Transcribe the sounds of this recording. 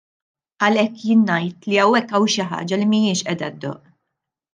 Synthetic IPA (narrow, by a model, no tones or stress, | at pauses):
ʔɐlɛkːjɪːnːɐjt̪liɐwːɛkːɐwʃɪħɐ̰ːd͡ʒɐlimiɪːʃʔɛd̪ɐd̪ːɔ̰ːʔ